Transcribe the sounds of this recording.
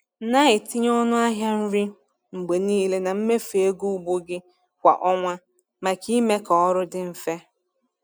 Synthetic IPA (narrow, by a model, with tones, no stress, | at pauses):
na˦ɪ˨tɪ˦ɲ˦ɔ˦nʊ˦a˦ɦja˦n̩˦ɾi˦ | ŋ͡m̩˨ɡ͡be˨niː˦le˦na˨m̩˦me˦fe˨e˦ɡu˦u˦˨ɡ͡bo˦ɡɪ˦ | kʷa̰˨ʔɔ˦ŋʷa˦ | ma˨ki˦me˦kɔ˨ɔ˦ɾʊ˦dɪ˨m̩˦fe˦